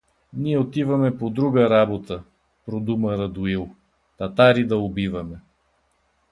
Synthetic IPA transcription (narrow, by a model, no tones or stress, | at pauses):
niɛot̪ivɐmɛpod̪ɾuɡəɾabot̪ə | pɾod̪umɐɾɐd̪ʊilˠ | t̪ɐt̪aɾid̪ɐobivɐmɛ